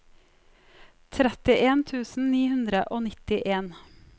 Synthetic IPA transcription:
t̪ʰɾɛt̪ɪʔeːnt̪ʰʉːsn̩niːhʉnd̪ɾəʔoːnɪt̪ɪʔeːn

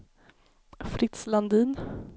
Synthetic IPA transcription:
fɾɪt̪sland̪iːn

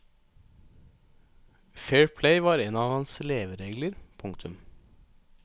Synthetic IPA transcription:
feːɹpʰleɪʋɑːɾeːnɑːʋhɑnsleːʋəɾeːɡləɾpʰʊŋkt̪ʰʉm

